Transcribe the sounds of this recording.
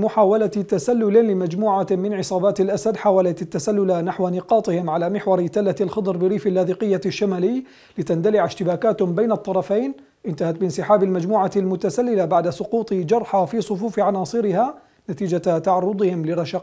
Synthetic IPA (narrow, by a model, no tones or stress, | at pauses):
mʊħaːwalat̪asalːʊlɪlɪmad͡ʒmuːʕamɪnʕɪsˤɑːbaːt̪alʔasad̪ħaːwalat̪at̪ːasalːʊlanaħwanɪqɑːt̪ˤɪhɪmʕalaːmɪħwɑɾˤɪt̪alːat̪alxɑd̪ˤɾˤbɪɾiːfalːaːðiːqɪjːaʃːamaːlɪjː | lɪt̪and̪alɪʕɪʃt̪ɪbaːkaːt̪bajnɑt̪ˤːɑɾˤɑfajn | ʔɪnt̪ahat̪̚bɪnsɪħaːbalmad͡ʒmuːʕalmʊt̪asalːɪlabaʕd̪asˤʊquːt̪ˤd͡ʒɑɾˤħafiːsˤʊfuːfʕanɑːsˤɨɾɪha | nat̪iːd͡ʒat̪ɑʕɑrˤːʊd̪ˤɪhɪmlɪɾˤɑʃɑq